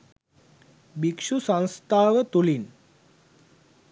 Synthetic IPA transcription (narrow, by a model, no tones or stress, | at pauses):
bikʂusə̃w̃st̪ʰaːʋət̪ulin